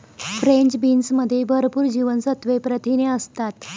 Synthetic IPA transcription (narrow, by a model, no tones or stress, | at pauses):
fɾeɲt͡ɕbinsməd̪ʱːjebʱəɾpuːɾd͡ʑiʋənsət̪ʋepɾət̪ʰineəst̪at̪